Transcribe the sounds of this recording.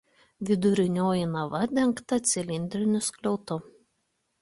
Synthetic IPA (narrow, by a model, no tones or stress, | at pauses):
ʋʲɪd̪ʊɾʲɪnʲoːjinɐʋɐd̪ʲɛŋˑkt̪ɐt̪sʲɪlʲɪnʲd̪ʲɾʲɪnʲʊsklʲɛʊt̪ʊ